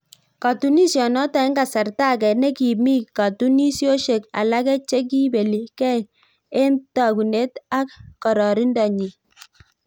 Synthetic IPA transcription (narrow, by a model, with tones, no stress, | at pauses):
ka˨tu˦ni˦sjɔ˨nɔ˦ta˨i˦ŋɡa˨sa˨ɾta˦˨k̬ɛ˨nɛ˦ki˨mi˦ka˨tu˦ni˦sjo˦ʃe˨ka̰˨la˦kɛ˦t͡ʃe˦k̬i˦be˨li˨kɛ˦ | e˦nta˨ku˨ne˦ta˦kkɔ˨ɾɔ˨ɾi˦ndɔ˨ɲi˨